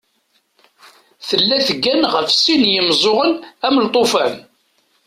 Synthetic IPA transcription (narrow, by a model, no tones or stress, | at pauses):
θəlːæθəɡːænʁəfsinjəmzˤoʁənæmlt̪ˤofæn